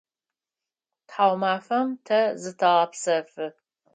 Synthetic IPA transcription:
tħaːwmaːfɐmtʰɐzɨtʰɐʁɐpsɐfɨ

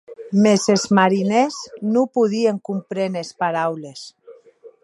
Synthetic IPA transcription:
mezezmaɾineznupuðieŋkumpɾenespaɾawles

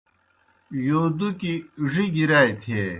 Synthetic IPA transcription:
joːd̪ukiʐiɡiɾaːit̪ʰeː

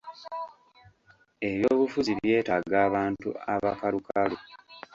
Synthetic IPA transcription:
e̞βjo̞ːβufuziβje̞ːtaɡaːβaːntṵaβakaɾukalu

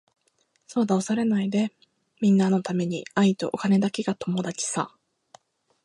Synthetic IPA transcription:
so̞ːd̪aosaɾe̞naid̪e̞ | mʲĩnːano̞t̪ame̞ɲ̟iait̪o̞̰ʔokane̞d̪ake̞ɡat̪o̞mo̞d̪at͡ɕi̥sã̰

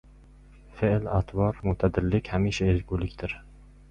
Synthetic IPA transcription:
feʔlat̪ʰvɒɾmʊt̪ʰad̪ɪɾlɪkʲhamiʃaelɡʲulɪkʲt̪ɪɾ

